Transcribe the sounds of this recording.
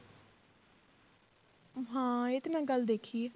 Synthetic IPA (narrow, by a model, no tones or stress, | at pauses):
ɦãːeːt̪emɛ̃ːɡəld̪eːkʰiː